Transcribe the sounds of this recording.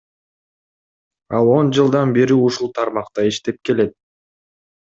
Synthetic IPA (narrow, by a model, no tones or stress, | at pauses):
ɑlˠo̞nd͡ʒɯlˠd̪ɑnbeɾiuʃulˠt̪ʰɑɾmɑqt̪ɑiʃt̪e̞p̚ke̞le̞t̪̚